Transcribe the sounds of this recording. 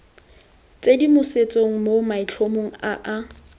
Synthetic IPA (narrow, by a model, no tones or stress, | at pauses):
t͡sʼedimʊset͡sʼoŋ̩momait͡ɬʰomoŋ̩aʔa